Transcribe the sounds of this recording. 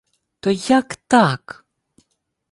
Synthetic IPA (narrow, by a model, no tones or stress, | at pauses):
t̪ojakt̪aːk